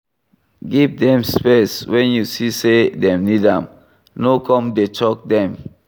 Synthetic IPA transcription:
ɡivdɛ̃mspeswɛ̃njusisedɛ̃mnidãm | nokʰɔ̃mdet͡ʃɔk̚dɛ̃m

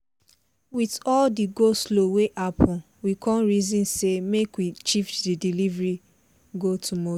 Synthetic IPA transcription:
witɔldiɡosloweʔapʰɔ̃n | wikʰɔ̃nɹizĩnsemekwit͡ʃiftdidilivɹi | ɡotʰumo

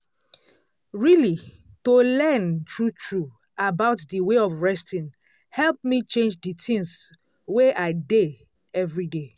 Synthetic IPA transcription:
ɹili | tolɛntʰɹutʰɹu | abaʊtdiweɔvɹɛstĩn | hɛlp̚mit͡ʃẽnd͡ʒditĩŋs | weʔaɪde | ɛvɹide

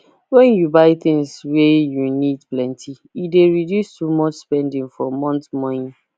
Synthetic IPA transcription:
wɛ̃njubaɪθɪ̃ŋswɛjunidplɛ̃ntʰi | ideɹidjustumɔt͡ʃspɛ̃ndĩŋfɔmɔ̃ntmɔ̃nĩn

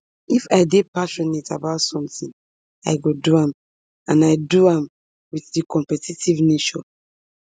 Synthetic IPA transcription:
ifaɪdepaʃɔnetabaʊtsɔ̃mtĩŋ | aɪɡoduãm | ãnaɪduãm | wiθdikʰɔ̃mpɛtitivneʃɔ̃

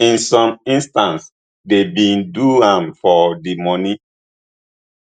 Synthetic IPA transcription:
ĩnsɔ̃mĩnstãns | debĩnduãmfɔdimɔni

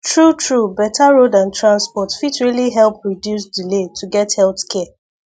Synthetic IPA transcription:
tɹutɹubɛtʰaɹodãntɹãnspɔtfitɹiliɦɛlˠpɹidjusdiletʰuɡɛthɛlθkʰɛ

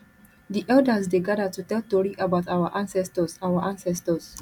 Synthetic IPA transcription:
diʔɛldəsdeɡadətutɛltɔɹiʔabaʊtawəʔãnsɛstəsawəʔãnsɛstəs

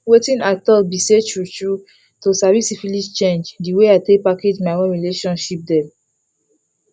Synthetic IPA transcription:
wetĩnatɔbiset͡ʃɹut͡ʃɹu | tosavisifilid͡ʒt͡ʃẽnd͡ʒdiweaɪtekpaked͡ʒmaɪwɔ̃nɹileʃɔ̃nʃip̚dɛ

